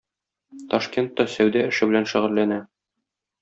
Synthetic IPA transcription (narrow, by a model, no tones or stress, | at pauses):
t̪ɒʃkʲent̪ːɑsæwd̪æɘ̆ʃɘ̆bɘ̆lænʃɘ̆ʁɘ̆lːænæ